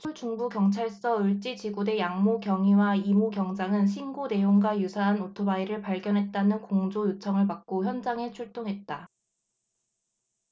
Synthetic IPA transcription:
t͡ɕʰut͡ɕuŋbukjʌŋt͡ɕʰaɭs͈ʌɯɭt͡ɕ͈it͡ɕiɡude̞jaŋmokjʌŋiwaimuɡjʌŋd͡ʑaŋɯnɕʰinɡone̞joŋɡwajusʰaɦanotʰobaiɾɯɭpaɭɡjʌnɦe̞t̚t͈anɯnkoŋd͡ʑojut͡ɕʰʌŋɯɭpak̚k͈oçjʌnd͡ʑaŋe̞t͡ɕʰuɭt͈oŋɦe̞t̚t͈a

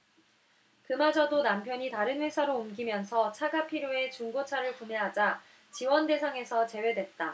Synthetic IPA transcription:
kɯmad͡ʑʌdonampʰjʌɲitaɾɯnɸwe̞sʰaɾoumɡimjʌnsʰʌt͡ɕʰaɡapʰiɾjoe̞t͡ɕuŋɡot͡ɕʰaɾɯɭkune̞ɦad͡ʑa | t͡ɕiwʌnde̞sʰaŋe̞sʰʌt͡ɕe̞we̞dwe̞t̚t͈a

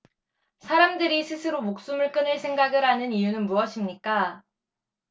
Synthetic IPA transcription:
sʰaɾamdɯɾisʰɯsʰɯɾomok̚s͈umɯɭk͈ɯnɯɭsʰe̞ŋɡaɡɯɾɦanɯnijunɯnmuʌɕʰimɲik͈a

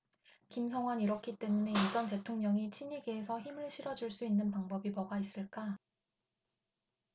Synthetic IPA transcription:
kimsʰʌŋwaniɾʌkʰit͈e̞mune̞id͡ʑʌnte̞tʰoŋɲʌŋit͡ɕʰiɲiɡeːsʰʌçimɯɭɕʰiɾʌd͡ʑuɭs͈uinːɯnpaŋbʌbimʌɡais͈ɯɭk͈a

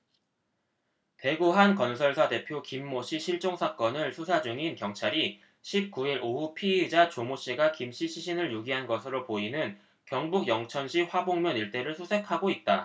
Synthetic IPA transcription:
te̞ɡuɦankʌnsʰʌɭsʰate̞pʰjokimːoɕʰiɕʰiɭt͡ɕ͈oŋsʰak͈ʌnɯɭsʰusʰad͡ʑuŋinkjʌŋt͡ɕʰaɾi | ɕʰip̚k͈uiɾʔohupʰied͡ʑat͡ɕomoɕ͈iɡakimɕʰiɕʰiɕʰinɯɭjuɡiɦanɡʌsʰɯɾopoinɯn | kjʌŋbuɡjʌŋt͡ɕʰʌnɕʰiɸwaboŋmjʌniɭt͈e̞ɾɯɭsʰusʰe̞kʰaɡoit̚t͈a

